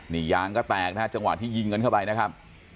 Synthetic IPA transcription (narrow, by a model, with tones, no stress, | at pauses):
ni˨˩˦jaː˦˥ŋkɔː˥˩t̪ɛː˨˩k̚na˦a˥˩t͡ɕa˧ŋwa̰˨˩t̪ʰːiː˥˩ji˧ŋɤ˧nkʰa˥˩wpa˧jna˦˥kʰa˦˥p̚